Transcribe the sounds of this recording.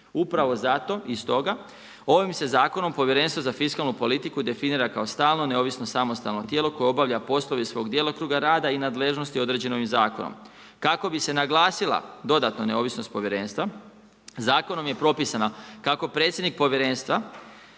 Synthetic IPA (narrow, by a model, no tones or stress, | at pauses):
upɾaʋo̞zat̪o̞ʔist̪o̞ɡa | o̞ʋimse̞zaːko̞no̞mpo̞ʋje̞ɾe̞nst̪ʋozafiskalnupo̞lit̪ikud̪e̞finiːɾakao̞st̪aːlˠno̞ne̞o̞ːʋisnosamo̞st̪alno̞t̪jeːlˠo̞ko̞jeo̞baʋʎapo̞slˠo̞ʋisʋo̞ːɡd̪jelokɾuːɡaɾaːd̪ainaːd̪le̞ʒno̞st̪io̞d̪ɾe̞d͡ʑe̞no̞ʋimzaːkono̰m | kako̞bise̞naɡlˠaːsilˠa̰d̪o̞d̪at̪none̞o̞ːʋisno̞st̪̚po̞ʋje̞ɾe̞ːnst̪ʋa | zaːko̞no̞mje̞pɾo̞pisanakako̞pɾet̪sʲje̞d̪nik̚po̞ʋjeɾe̞nst̪ʋa